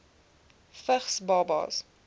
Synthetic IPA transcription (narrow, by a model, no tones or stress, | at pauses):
fəχsbɑbɑ̰s